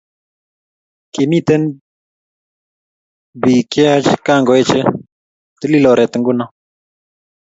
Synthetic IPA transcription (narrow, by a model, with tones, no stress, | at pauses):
ke˨mi˦t̪ɛ˦n | bi˨kja˦t͡ʃka˦˨ŋɡɔ˨e˦t͡ʃe˦ | t̪ə˦li˦lɔ˨ɾɛ˨t̪ə˨ŋɡuna˦